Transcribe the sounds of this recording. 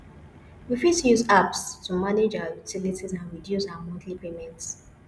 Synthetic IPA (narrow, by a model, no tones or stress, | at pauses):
wifidtujuzapstumaned͡ʒaʊəjutilitizãnɹidjusaʊamɔ̃dlipemɛ̃nts